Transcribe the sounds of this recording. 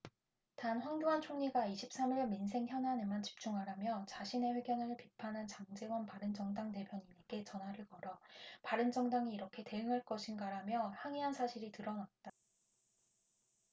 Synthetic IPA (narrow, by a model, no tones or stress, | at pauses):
tanɸwaŋdoɦant͡ɕʰoŋɲiɡaiɕʰip̚s͈amiɭmins̬ʰe̞ŋçjʌnɦanemant͡ɕi̥p̚t͡ɕ͈uŋɦaɾamjʌt͡ɕaɕʰine̞ɸwe̞ɡjʌnɯɭpipʰanɦant͡ɕaŋd͡ʑe̞wʌnpaɾɯnd͡ʑʌŋdaŋte̞pʰjʌɲine̞ɡ̥e̞t͡ɕʌnɦwaɾɯɭkʌɾʌpaɾɯnd͡ʑʌŋdaŋiːɾʌkʰe̞te̞ɯŋɦaɭk͈ʌɕʰinɡaɾamjʌhaŋiɦansʰaɕʰiɾitɯɾʌnat̚t͈a